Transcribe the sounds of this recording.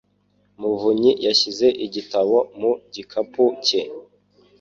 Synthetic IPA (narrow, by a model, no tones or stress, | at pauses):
muvuɲijaɕize̞ʔiɟitaβo̞muɟikʰapuce